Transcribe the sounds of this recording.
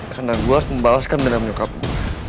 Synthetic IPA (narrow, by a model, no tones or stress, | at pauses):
kandaŋluasməmbalaskandənaŋmɲukap